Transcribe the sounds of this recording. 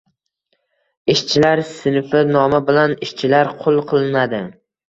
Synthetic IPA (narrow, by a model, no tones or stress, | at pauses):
ɪʃt͡ʃʰɪlaɾsɪnfɪnɒmabɪlanɪʃt͡ʃʰɪlaɾqʰolˠqʰɨlˠmad̪ɪ